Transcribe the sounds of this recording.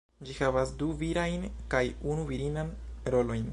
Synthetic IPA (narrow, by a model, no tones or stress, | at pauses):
d͡ʒihavasduviɾajnkajunuviɾinanɾo̞lo̞jn